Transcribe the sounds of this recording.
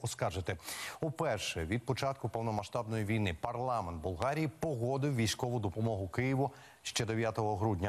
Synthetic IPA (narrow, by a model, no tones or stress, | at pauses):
ɔskɑrʒet̪ɪupɛrʃɛʋʲid̪̚pɔt͡ʃɑt̪̚kʊpɔwnɔmɐʃt̪ɑbnɔjiʋʲijnɪpɐrlˠɑmɛnt̪̚bʊlˠɦɑɾʲijipɔɦɔd̪ɪwʋʲijsʲkɔʋʊd̪ɔpɔmɔɦʊkɪjiʋʊ | ʃt͡ʃɛd̪eʋʲjat̪ɔɦɔɦɾudʲnʲɐ